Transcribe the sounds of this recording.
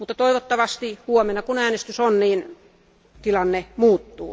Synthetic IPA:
mut̪ːɑt̪oiʋot̪ːɑʋɑst̪ihuomenːˑɑkunæːnest̪ysonniːn | t̪ilɑnːemuːt̪ːṵː

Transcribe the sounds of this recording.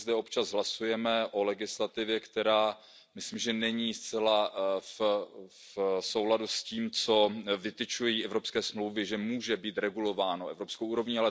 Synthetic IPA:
zd̪ɛopt͡ʃazɦlasujɛmɛʔo̞lɛɡɪslat̪ɪvjɛkt̪ɛɾaː | mɪsliːmʒɛnɛɲiːst͡sɛlaf | so̞wladusciːmt͡so̞vɪt̪ɪt͡ʃujiʔɛvɾo̞pskɛːsmlowvɪʒɛmuːʒɛbiːt̪ɾɛɡulo̞vaːnoɛ̰vɾo̞pskɛwuːɾo̞vɲialɛ

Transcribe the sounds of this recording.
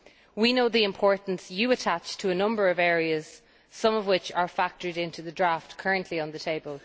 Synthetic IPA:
winoʊðiɪ̃mpʰɔɹʔn̩sjəətʰat͡ʃtʰəːnʌ̃mbə˞əvɛːɹiəz̥ | sʌ̃mʌvwɪt͡ʃə˞fak̚tə˞ɾɪ̃ntʰʉðədɹaftkʰɜ˞ə̃nʔliə̃nðətʰeɪbəlˠ

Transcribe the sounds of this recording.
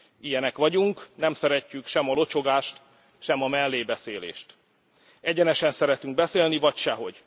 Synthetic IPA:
ijɛnɛkʋɒɟuŋknɛmsɛɾɛcːykʃɛmɒlo̞t͡ʃo̞ɡaːʃt̪ | ʃɛmɒmɛlːeːbɛseːlḛːʃt̪ | ɛɟɛnɛʃɛnsɛɾɛt̪yŋɡ̚bɛseːlnivɒcʃɛɦo̞ɟ̥

